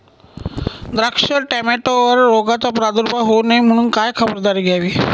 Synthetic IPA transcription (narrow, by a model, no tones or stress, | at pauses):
d̪ɾəkʂəɾʈæmeʈoʋəɾːoɡat͡sapɾad̪uɾbaɦonajm̤əɽ̃uːnkajkʰəbəɾd̪aɾiːɡʱjaʋiː